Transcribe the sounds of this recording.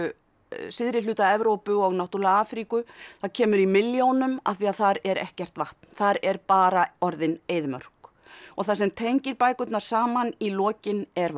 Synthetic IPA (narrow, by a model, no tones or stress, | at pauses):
sɪðɾɪlʏːt̪aɛvɾowpʏɔɣnawht̪uɾlɣaaːfɾikʏθaðcʰɛːmʏɾimɪljownʏmaθiaðθaɾɛɾɛ̰hcɛr̥t̪vaht̪n̥θaɾɛɾpaːɾaɔɾðɪneːjðmœ̰r̥k | ɔɣθas̬ɛmt̪ʰejɲcɪɾpaːjkʏt̪naɾ̥saːmanilɔːcɪnɛɾv